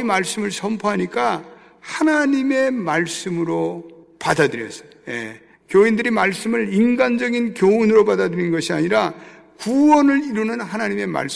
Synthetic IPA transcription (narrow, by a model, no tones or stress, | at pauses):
imaɭs͈ɯmɯɭsʰʌmpʰoɦaɲik͈a | hanaɲime̞maɭs͈ɯmɯɾopadadɯɾjʌs͈ʌ̥jḛ | kjoindɯɾimaɭs͈ɯmɯɭinɡand͡ʑʌɡinkjounɯɾopadadɯɾinɡʌɕʰiaɲiɾa | kuwʌnɯɭiɾunɯnɦanaɲime̞ma̰ɭs